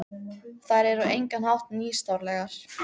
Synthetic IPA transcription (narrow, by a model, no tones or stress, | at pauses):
θaðɾɛɾʏʔejŋkanhawht̪niːst̪awɾlɛɣaɾ̥